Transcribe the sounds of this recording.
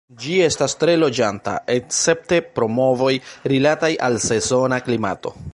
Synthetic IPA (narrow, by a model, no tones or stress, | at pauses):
d͡ʒie̞stastɾe̞lo̞d͡ʒanta̰ekt͡se̞p̚te̞pɾo̞mo̞vo̞jɾilatajʔalse̞zo̞naklima̰to̞̰